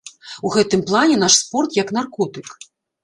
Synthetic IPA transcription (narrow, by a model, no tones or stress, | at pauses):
uɣɛt̪ɨmplˠanʲɛnaʂspɔrt̪jɐknarkɔt̪ɨk